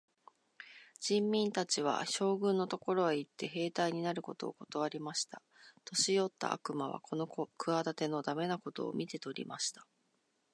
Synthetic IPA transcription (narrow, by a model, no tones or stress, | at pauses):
d͡ʑ̥ĩmːʲĩnt̪at͡ɕiβ̞a̰ɕo̞ːɡɯ̟̃nːo̞t̪o̞ko̞ɾo̞eit̪ːe̞ɦe̞ːt̪aiɲ̟inaɾɯ̟ko̞t̪o̞̰ːko̞t̪oβ̞aɾʲimaɕi̥t̪a | t̪o̞ɕijo̞t̪ːa̰a̰kɯ̟maβ̞a̰kʰo̞no̞kɯ̟ad̪at̪e̞no̞d̪ame̞nako̞t̪o̞̰ːmʲit̪e̞t̪o̞ɾʲḭmaɕi̥t̪ḁ